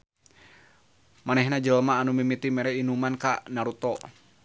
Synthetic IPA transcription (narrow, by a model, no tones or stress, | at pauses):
manɛhnad͡ʒəlmaːnumimit̪imɛɾɛinumankaʔnaɾut̪ɔ